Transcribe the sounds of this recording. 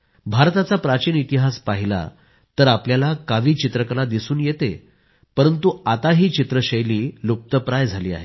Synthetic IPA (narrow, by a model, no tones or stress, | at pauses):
bʱaɾt̪at͡sapɾat͡ɕiːnit̪iɦaspaɦila̰ | t̪əɾapljalakaʋiːt͡ɕit̪ɾəkɾad̪isuːnjet̪e | pəɾənt̪uat̪aɦiːt͡ɕit̪ɾəɕəjliːlop̚t̪əpɾajd͡zʱaliːa̰ɦe